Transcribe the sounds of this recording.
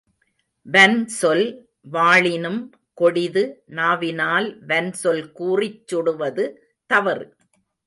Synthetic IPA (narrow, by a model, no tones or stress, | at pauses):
ʋɛnsɔl | ʋaːɭɪnɯm | kɔɽɪðɯnaːʋɪnaːlʋɛnsɔlkuːrɪt͡ʃːʊɽɯʋɐðɯ | t̪ɐʋɐɾ